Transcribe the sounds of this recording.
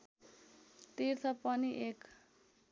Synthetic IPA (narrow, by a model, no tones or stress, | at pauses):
t̪irt̪ʰʌpʌniʔek